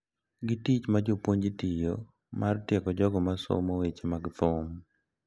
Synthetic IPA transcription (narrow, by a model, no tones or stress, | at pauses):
ɡitit͡ʃmad͡ʒopwoɲd͡ʒitijo | martjɛkɔd͡ʒɔɡɔmaso̰mowet͡ʃemaɡt̪ʊm